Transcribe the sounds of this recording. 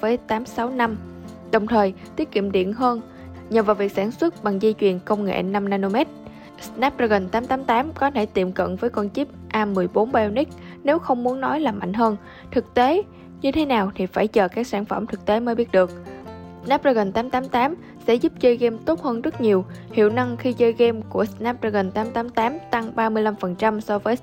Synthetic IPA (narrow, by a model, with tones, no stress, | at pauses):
vəː˨˦jt̪aː˨˦msa˨˦wna˧m | ɗə˨˩wŋ͡mt̪ʰəː˨˩jt̪i˦˥ət̚kḭ˧˨əmɗḭ˧˨ənɦəː˧n | ɲə˨˩vaː˨˩wvi˨˩ək̚saː˧˩nswə˦˥t̚ɓa˨˩ŋzi˧t͡ɕwi˨˩ənkə˧wŋ͡mŋḛ˧˨na˧mnaː˧no˧mɛ˦˥t̚ | snaː˦˥p̚zaː˧ɣə˨˩nt̪aː˨˦mt̪aː˨˦mt̪aː˨˦mkɔ˨˦t̪ʰe˧˩t̪i˨˩mkə̰˧˨nvəː˨˦jkwaː˧nt͡ɕi˦˥p̚ʔaː˧mɨ˨˩əjɓo˨˦nɓa˧ni˦˥k̚ | ne˨˦wxə˧wŋ͡mmu˨˦ənːɔ˨˦jlaː˨˩ma̰˧˨jŋ̟ɦəː˧n | t̪ʰɨ˨˩k̚t̪e˨˦ | ɲɨ˧t̪ʰe˨˦naː˨˩wt̪ʰi˨˩faː˧˩jt͡ɕəː˨˩kaː˦˥k̚saː˧˩nfə̰˧˩mt̪ʰɨ˨˩k̚t̪e˨˦məː˨˦jɓi˦˥ət̚ɗɨ˨˩ək̚ | sna˦˥p̚zaː˧ɣə˨˩n̟t̪aː˨˦mt̪aː˨˦mt̪aː˨˦m | sɛ̰˧˥zu˦˥p̚zəː˧jɣɛ˧mt̪o˦˥t̚həː˧nzə˦˥k̚ɲi˨˩əwhḭ˧˨əwna˧ŋxi˧zəː˧jɣɛ˧mku˧˩əsnaː˦˥p̚za˧ɣə˨˩nt̪aː˨˦mt̪aː˨˦mt̪aː˨˦mt̪a˧ŋɓaː˧mɨ˧əjla˧mfə˨˩nt͡ɕa˧msɔ˧vəː˨˦